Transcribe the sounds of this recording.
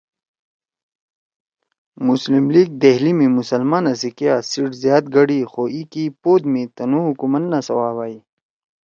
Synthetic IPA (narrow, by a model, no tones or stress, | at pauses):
muslimliːɡ̚d̪eɦlimĩmusɐlmaːnɐs̬ikijaːsiʈzjaːt̪̚ɡɐɽixoːʔikipoːd̪mẽt̪ɐnũːɦukumɐnnasɐwaːwaːi